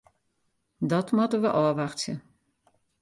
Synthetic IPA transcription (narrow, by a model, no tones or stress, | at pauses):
dɔtmɔtəʋəʔɔːʋaxtjə̰